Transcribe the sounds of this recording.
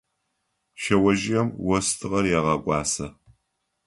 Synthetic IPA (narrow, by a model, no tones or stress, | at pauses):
ʃɐwɐʒɪjɐmwɐstʰɨʁɐrjaʁɐkʷʼɑːsɐ